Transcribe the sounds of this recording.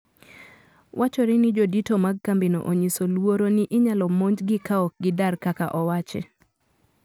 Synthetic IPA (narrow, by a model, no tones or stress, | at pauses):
wʔat͡ʃɔɾɛnɪd͡ʒoditomaɡ̚kambino̰ʔoɲisolwoɾoniʔɪɲalɔmoɲd͡ʒɡɪkaɔk̚ɡɪdarkaka̰ʔɔwat͡ʃɛ̰